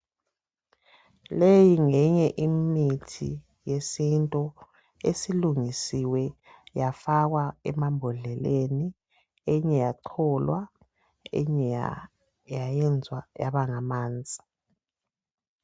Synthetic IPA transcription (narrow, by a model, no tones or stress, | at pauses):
lejiŋɛɲɛʔimitʰḭ | jesintʼɔ | esiluŋisiwɛ | jafaɣwaɛmambʱɔɮɛleni | ɛɲɛjaǀʰɔlwa | ɛ̰ɲɛja | jajɛnd͡zʱwaja̰βaŋamaːnd͡zʱi̥